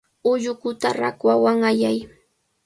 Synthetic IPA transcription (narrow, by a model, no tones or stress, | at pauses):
ʊʎʊkʊt̪aɾakwawaŋajaj